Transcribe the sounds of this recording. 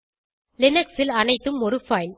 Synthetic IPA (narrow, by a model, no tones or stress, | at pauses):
lɪnɐksɪlɐnɐɪt̪ːɯmɔɾɯfɐɪl